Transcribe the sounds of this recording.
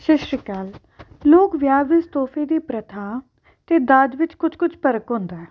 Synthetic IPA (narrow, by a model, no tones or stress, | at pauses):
ʃɪʃɾəkaːl | loːkʋjaːʋɪst̪oːpʰeːd̪iːpɾət̪ʰaː | t̪eːd̪ad͡ʒ̪ʋɪt͡ʃkʊt͡ʃʰkʊt͡ʃʰpəɾəkɦʊ̃ːnd̪aɛː